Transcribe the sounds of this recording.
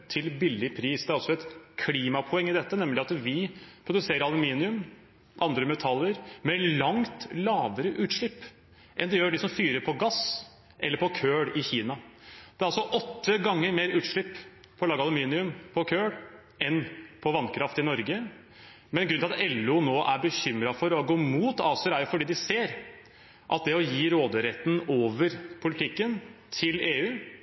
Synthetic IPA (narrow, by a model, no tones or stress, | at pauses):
t̪ʰɪlbɪlːɪpʰɾiːsd̪ɛæɾɔlsɔɛt̪kʰliːmɑpʰʊɛŋːɪd̪ɛt̪ːənɛmlɪɑt̪ʋɪpʰɾʊd̪ʉseːɾəɾɑlʊmiːnɪʉm | ʔɑnd̪ɾəmɛt̪ʰɑlːəɾmɛlɑŋt̪lɑːʋəɾəʔʉːt̪ʂɭɪpː | ʔɛ̰nd̪ɛjøːɖɪsɔmfyːɾəpʰɔɡɑs | ʔɛ̰lːəɾpɔkʰøːɽɪçiːnɑd̪ɛæɾɑlsɔʔɔt̪ːəɡɑŋːəɾmeːɾʉːt̪ʂɭɪpː | pʰɔlɑːɡɑlʊmiːnɪʉmpʰɔkʰøːɽ | ʔɛnpʰɔʋɑnkʰɾɑft̪ɪnɔɾɡə | mɛnɡɾʉnɪlɑt̪ɛlːuːnoːʔæɾbəçʏmɾɑfɔɾɔɡoːmuːt̪ɑːsəɾæɾjʊfɔɖiːd̪ɪseːɾ | ʔɑ̰t̪̚d̪ɛɔjiːɾoːd̪əɾɛt̪ːn̩oːʋəɾpʰʊlɪt̪ʰɪkːənt̪ʰɪleːʉː